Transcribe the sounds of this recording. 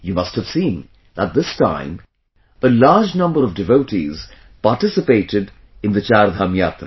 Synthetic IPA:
juːmʌsthəv̥sĩːn | ət̪̚d̪ɪstã̰ɪ̃m | əlaːɾd͡ʒnʌ̃mbəɾʌvdɪvoʊʈiz | paɾʈɪsɨpeɪʈɪɖ | ɨ̃nd̪ət͡ʃaːɾd̪ʱaːmjaːt̪ɾə

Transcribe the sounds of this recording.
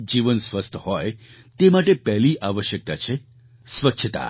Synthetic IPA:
d͡ʒiʋənsʋəst̪ʰhɔj | t̪emaʈepɛɦliʔaʋəʃjək̚t̪at͡ʃʰe | sʋətːʃʰət̪a̰

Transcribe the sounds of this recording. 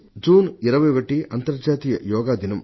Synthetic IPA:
d͡ʒuːniɾɐʋɐjʋɐʈːiɐnt̪ɐɾd͡ʒaːt̪iːjɐjɔːɡaːd̪inɐm

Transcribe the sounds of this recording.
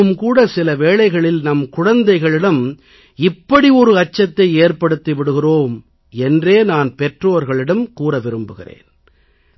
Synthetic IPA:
ɯmkuːɽɐsɪlɐʋeːɭɐɪɣɐɭɪlnɐmkʊɻɐnd̪ɐɪɣɐɭɪɽɐm | ɪpːɐɽiɔɾɯɐt͡ʃːɐt̪ːɐɪeːɾpɐɽɯt̪ːiʋɪɽɯɣɪroːm | ɛndreːnaːnpɛʈroːɾɣɐɭɪɽɐmkuːɾɐʋɪɾɯmbɯɣɪ̰rḛːn

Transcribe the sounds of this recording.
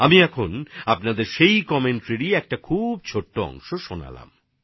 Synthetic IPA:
amiɛkʰonapnad̪eɾʃejkɔmeɳʈɾeɾiɛk̚ʈakʰub̚t͡ɕʰoʈːoɔ̰ŋʃoʃona̰la̰m

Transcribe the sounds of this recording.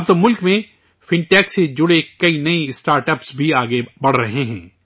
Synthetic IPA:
ɐb̚t̪omʊlkmẽ | fɪ̃ɳʈɛːksed͡ʒʊɽekɐinɐiɪsʈaːɾʈɐpsbʱiaːɡebɐɽ̤ɾɐɦeɦɛ̃ː

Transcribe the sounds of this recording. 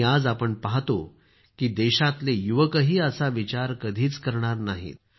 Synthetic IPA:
ad͡zapəɳpaɦt̪o | kiːd̪eɕat̪lejuʋəkəɦiːəsaʋit͡ɕaɾkəd̪ʱiːt͡skəɾɳ̃aɾnaɦḭːt̪̚

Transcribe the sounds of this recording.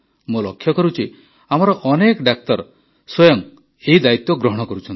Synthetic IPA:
mulɔkʰːjɔkɔɾut͡ʃʰi | amɔɾɔʔɔnekɖak̚t̪ɔɾ | swɔjɔŋ | eɦid̪ait̪jɔɡɾɔɦɔɽ̃ɔkɔɾut͡ʃʰɔnt̪i

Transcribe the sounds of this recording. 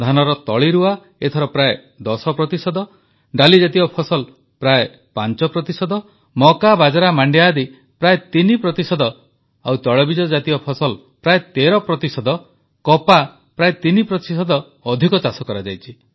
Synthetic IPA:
d̪ʱanɔɾɔt̪ɔɭiɾua | et̪ʰɔɾɔpɾae | d̪ɔsɔpɾɔt̪isɔd̪ɔ | ɖalid͡ʒat̪iɔpʰɔsɔl | pɾae | pant͡ʃɔpɾɔt̪isɔd̪ɔ | mɔkabad͡ʒaɾamaɳɖjad̪i | pɾaet̪inipɾɔt̪isɔd̪ɔ | awt̪ɔɭɔbid͡ʒɔd͡ʒat̪iɔpʰɔsɔl | pɾaet̪eɾɔpɾɔt̪isɔd̪ɔ | kɔpa | pɾaet̪inipɾɔt̪isɔd̪ɔː | d̪ʱikɔt͡ʃasɔkɔɾad͡ʒajt͡ʃʰi

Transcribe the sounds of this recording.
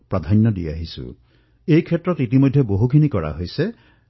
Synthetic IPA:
pɹad̪ʱanjɔdia̰ɦisṵ | ejkʰɛtːɹɔtitimojdʱjɔboɦukʰinikɔɹa̰ɦojse

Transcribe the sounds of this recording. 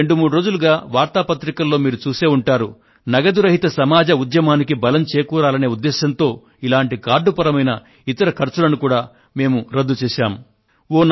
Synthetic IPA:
eɳɖumuːɽuɾo̞ːd͡ʒuluɡaːʋaːɾt̪aːpɐt̪ɾikɐlːo̞ːmiːɾut͡ʃuːseːuɳʈaːɾu | nɐɡɐd̪uɾɐɦit̪ɐsɐmaːd͡ʒɐud̪jɐmaːnikibɐlɐmt͡ʃeːjkuːɾaːlɐne̞ːud̪ːɛːʃɐnt̪o̞ː | ilaːɳʈikaːɾɖːupɐɾɐmɐjnɐ | it̪ɐɾɐkʰɐɾt͡ʃulɐnukuːɽaː | me̞ːmuɾɐd̪ːut͡ʃɛːʃaːm | oːn

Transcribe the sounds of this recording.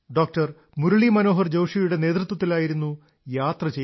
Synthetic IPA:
ɖoːk̚ʈɐr | muɾɐɭimɐno̞ːɦɐrd͡ʑɐwʂijuɽe̞ne̞ːd̪rɨt̪wɐt̪ːilaːjiɾunːu | jaːt̪rɐt͡ɕe

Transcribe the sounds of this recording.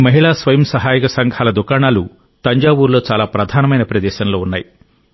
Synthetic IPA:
mɐɦiɭaːsʋɐjɐmsɐɦaːjikɐsɐŋɡʱaːlɐd̪ukaːɳaːlu | t̪ɐɲd͡ʒaːbuːɾlo̞ːt͡ʃaːlaːpɾɐd̪ʱaːnɐmɐjnɐpɾɐd̪ɛːʃɐnlo̞ːunːaːji

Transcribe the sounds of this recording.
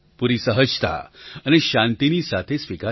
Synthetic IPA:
puɾiːsəɦəd͡ʒt̪a̰aniɕãnt̪iniːsat̪ʰesʋika

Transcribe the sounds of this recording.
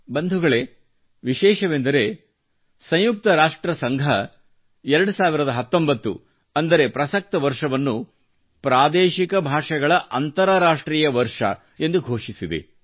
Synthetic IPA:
bɐnd̪ʱuɡɐɭe̞ | ʋiʃɛːʃɐʋend̪ɐɾe̞ | sɐ̃j̃juk̚t̪ɐɾaːʂʈɾɐsɐŋɡʱɐ | ɛɾɐɽusaːʋiɾɐd̪ɐɦɐt̪ːo̞mbɐt̪ːṵ | ɐnd̪ɐɾe̞pɾɐsɐk̚t̪ɐʋɐɾʂɐʋɐnːu | pɾaːd̪eːʃikɐbʱaːʂɐɡɐɭɐʔɐnt̪ɐɾɐɾaːʂʈɾiːjɐʋɐɾʂɐ̰ | e̞nd̪uɡʱoːʂisid̪e̞̰

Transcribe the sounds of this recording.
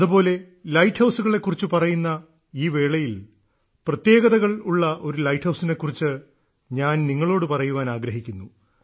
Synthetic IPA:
ɐðupo̞ːle̞ | lɐjʈhɐwsuɣɐɭe̞kːurit͡ɕːɨpɐrɐjunːɐ | iːʋe̞ːɭɐjil | prɐt̪je̞ːɡɐðɐɣɐɭuɭːɐʔo̞ɾulɐjʈʰhɐwsine̞kːurit͡ɕːɨ | ɲaːnniŋːɐɭo̞ːɽɨpɐrɐjuʋaːnaːɡɾɐɦikʲːunːu

